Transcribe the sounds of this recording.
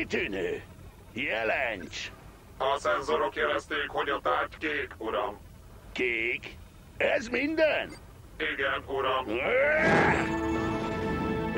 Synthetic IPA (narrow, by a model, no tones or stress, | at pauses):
t̪yːnøː | jɛlɛɲt͡ʃ | ɒsɛnzoɾokjɛlɛst̪eːkho̞ɟɒt̪aːrckeːkuɾɒm | keːk | ɛzmind̪ɛn | iɡɛnuɾɒm